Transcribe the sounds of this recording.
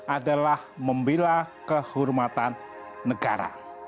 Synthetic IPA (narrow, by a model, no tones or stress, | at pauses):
ʔadalahməmbilakəhurmat̪anː | əɡa̰ɾa̰